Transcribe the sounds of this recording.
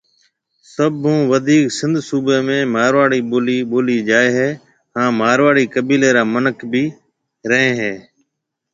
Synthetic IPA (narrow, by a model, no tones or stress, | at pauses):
səbʱũːʋəd̪ʱiːksɪ̃nd̪ʱsuːbeːmẽːmaːɾʋaːɽiːliɓoːliːd͡ʒaːeːɦeː | ɦãːmaːɾʋaːɽiːkəbiːleːɾaːmənəkbʱiː | ɾəɦẽːɦeː